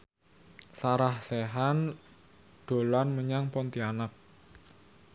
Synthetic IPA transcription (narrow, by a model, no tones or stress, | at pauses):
saɾahseɦan | ɖ̪̥o̤lanməɲaŋpɔnt̪ianak̚